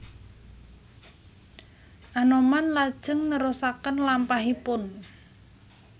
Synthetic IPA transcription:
ʔanomanlad̥ʒ̥ə̤ŋnəɾosakənlampaɦipʊn

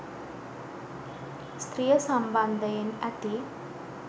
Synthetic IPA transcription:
st̪rijɐsɐmbɐnd̪ʱɐjɐnɐt̪i

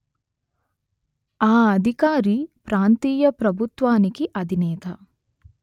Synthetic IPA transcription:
aːɐd̪ʱikaːɾipɾaːnt̪iːjɐpɾɐbʱut̪ʋaːnikiʔɐd̪ʱinɛːt̪ɐ

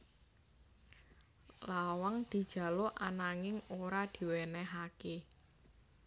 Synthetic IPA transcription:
lawaŋd̪̥i̤d̥ʒ̥ä̤loʔanaŋɪŋoɾad̪̥i̤wɛnɛɦake

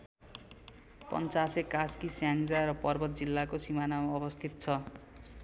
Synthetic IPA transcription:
pʌ̰nt͡sasekaskisjaŋd͡zarʌpʌrbʌt̪̚d͡zilːakosimanamʌbʌst̪ʰit̪̚t͡sʰʌ

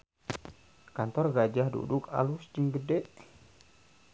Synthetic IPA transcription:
kant̪ɔrɡad͡ʒahdṵduka̰lusd͡ʒəŋɡədɛʔ

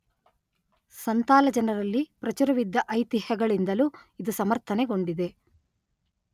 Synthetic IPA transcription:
sɐnt̪aːlɐd͡ʒɐnɐɾɐlːipɾɐt͡ʃuɾɐʋid̪ːɐʔɐjt̪ihɐɡɐɭind̪ɐluid̪usɐmɐɾt̪ʰɐneɡo̞ɳɖid̪e̞

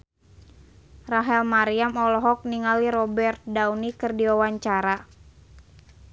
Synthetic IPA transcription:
raɦɛlmaɾiamɔlɔɦɔk̚niŋaliɾɔbɛrt̪̚dawnikɨrdiawaɲt͡ʃaɾa

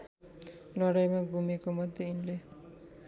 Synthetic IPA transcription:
lʌɽajmaɡʱumekomʌd̪ʱjeinle

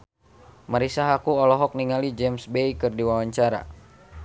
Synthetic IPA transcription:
maɾisaɦakuɔlɔɦɔk̚niŋalid͡ʒɛmsbeikɨrdiwawaɲt͡ʃaɾa̰

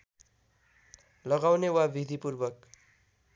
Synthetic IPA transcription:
lʌɡawnewabʱid̪ʱipurbʌk

